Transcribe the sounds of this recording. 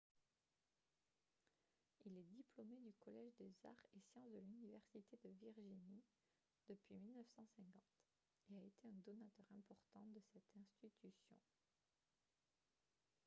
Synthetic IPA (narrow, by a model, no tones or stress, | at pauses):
ilɛd̪iplɔmed̪ykɔlɛʒd̪eza̰ʁesjɑ̃sd̪əlynivɛʁsit̪ed̪əviʁʒini | d̪̥əpɥimilnəfsɑ̃sɛ̃kɑ̃t̪ | eaet̪ʰeɛ̃d̪ɔnat̪œʁɛ̃pɔʁt̪ɑ̃d̪əsɛt̪ɛ̃st̪it̪ysjɔ̰̃